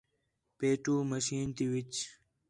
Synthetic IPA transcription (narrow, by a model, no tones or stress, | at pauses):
peːʈuːməɕiːnt̪iwit͡ɕ